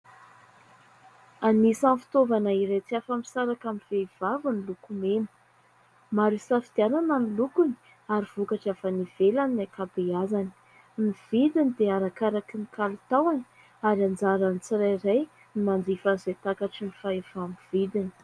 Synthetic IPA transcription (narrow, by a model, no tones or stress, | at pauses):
anisanfi̥t̪ovanaiɾejt͡siafamisaɾakamivev̥avunilukumemə̥ | maɾusafid̪̥ianananilukuni | aɾiv̥ukaʈ͡ʂafaniv̥elaninakabeazani̥ | niv̥id̪inid̪eaɾakaɾakinikalut̪awani̥ | aɾiand͡zaɾanit͡siɾajɾaj | nimand̪ifazet̪akaʈ͡ʂinifaefamiv̥id̪ini̥